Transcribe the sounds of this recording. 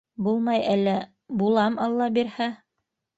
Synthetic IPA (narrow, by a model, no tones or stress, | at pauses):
bulˠmɑjælːæ | bulˠɑmɑlˠːɑbiɾhæ